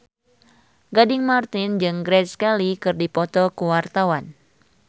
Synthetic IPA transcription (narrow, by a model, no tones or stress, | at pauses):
ɡadɪŋmart̪ind͡ʒɨŋɡɾɛskɛlikɨrdipɔt̪ɔkuwart̪awan